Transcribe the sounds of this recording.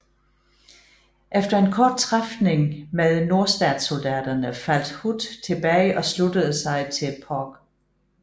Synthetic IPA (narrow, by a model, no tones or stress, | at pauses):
ʔefd̥ɐe̝nkʰɒːd̥̚t͡sʰʁafne̝ŋmeðˠno̝ɐsd̥ɛːd̥sold̥æːd̥ɐnəfæl̰d̥hud̥t͡sʰe̝b̥ɛːɪʔɒ̽slud̥əð̞̩ˠsɑ̈ɪt͡sʰe̝lpʰɒɡ̥